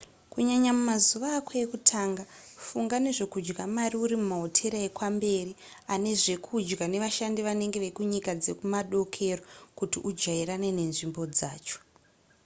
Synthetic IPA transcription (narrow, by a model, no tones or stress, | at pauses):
kuɲaɲamumazuʋaːkoekutʰaːŋɡafuŋɡane̞ʐe̞kud͡ʒɡamariuɾimumaɦo̞tʰe̞ɾaekwambe̞ːri | ane̞ʐe̞kʰud͡ʒɡane̞ʋaʃandiʋane̞ŋɡe̞ʋe̞kuɲikad͡ze̞kumaɗo̞kʰe̞rokutiʔud͡ʒɡaiɾane̞ne̞nʐimbo̞d͡zaːt͡ʃo̥